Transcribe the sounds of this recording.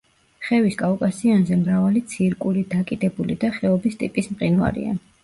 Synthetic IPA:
χɛviskʼakʼasianzɛmɾavalit̪sʰiɾkʼuɾid̪akʼid̪ɛbulid̪aχɛɔbist̪ʼipʼismqʼinva̰ɾḭa̰

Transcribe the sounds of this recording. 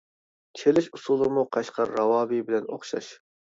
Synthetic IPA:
t͡ʃʰelɪʃusulˠɨmuqʰɑʃqʰɑɾːɑwɑːbibɪlɛno̰χʃɑ̰ʃ

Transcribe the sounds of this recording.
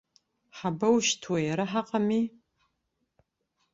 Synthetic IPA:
ħabɐwʃtʰwejɛɾɨħaqɐmiː

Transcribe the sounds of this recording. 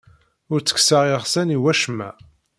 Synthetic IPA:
ʊɾt͡sːə̥ksaʁiʁsæniwæʃmːæ̰

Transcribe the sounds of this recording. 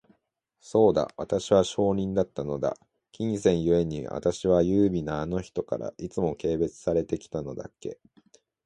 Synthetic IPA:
so̞ːd̪a̰βat̪aɕiβaɕo̞ːɲ̟ĩnd̪at̪ːano̞d̪a̰ | kʲĩɰsẽ̞ɰ̃jɯ̟e̞ɲ̟iβa̰t̪aɕiβajɯːbʲinaːno̞çi̥t̪o̞ka̰ɾa̰ʔit͡sɨmo̞ke̞ːbe̞t͡sɨ̥saɾe̞t̪e̞kʲi̥t̪ano̞d̪a̰ke̞

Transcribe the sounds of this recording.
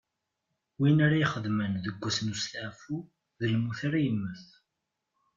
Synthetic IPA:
winaɾaiχəðmənðəɡʷːæsnust̪aʕfu | ðəlmuθaɾajəmːəθ

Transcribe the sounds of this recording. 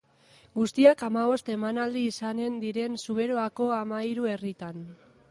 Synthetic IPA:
ɡust̪iakamaβo̞st̪e̞manald̪iːsane̞nd̪iɾe̞nsuβ̞e̞ɾo̞ako̞amaiɾue̞rit̪an

